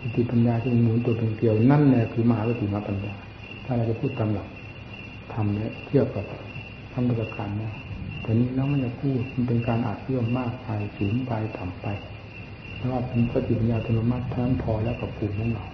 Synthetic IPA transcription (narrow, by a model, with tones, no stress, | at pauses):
ki˧˩t̪ʰi˨˩pa˧njaː˧t̪ʰaː˧˩pe˧nmuː˧˦nt̪̬u˧˩əpʰe˧ŋk̪i˧əwna˥˩˨nlɛː˧˩kʰɯː˧ma˧haː˨˦wa˧˩t̪ʰiː˨˩maː˧˩pa˧njaː˧ | t̪ʰaː˥˩ɾa˧˩k̚t͡ɕa˨˩pʰuː˥˩t̪ːa˧mla˨˩w̚ | t̪ʰa˧mnɛ˧˩˨t̪ʰi˦˥˩əp̚ka˨˩ | t̪ʰa˧˨mkɔ˧˩a˧˩kaː˧nːɛː˧˩wt̪ʰɛː˨˩niː˧˥˨lɛː˦˥˨ma˥˨nt͡ɕa˨˩kʰuː˥˩ma˧˥˨pe˧nkaː˧nʔa̰ː˨˩t̪̚lɯ˥˩əmːaː˥˩k̚pa˧jsuː˨˩˦npa˧jt̪ʰaː˨˩mpa˧jʰ | ɛː˧˥˦waː˧˥˩t̪ʰa˧˩n˧kʰaː˧˩t̪ʰiː˨˩pa˧njaː˧˩t̪ʰa˧˨lo˧˥˦maː˧˥˩t̪ʰa˧na˧˥npʰɔː˧lɛː˦˥wka˧˩pʰuː˨˩kʰɔ˨˦ŋla˨˧˩w